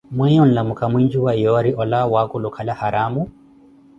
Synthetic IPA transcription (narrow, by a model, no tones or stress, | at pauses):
mwɛɲɔn̩lamukamwind͡ʒuwajɔɾiʔɔlawakulukʰalahaɾamu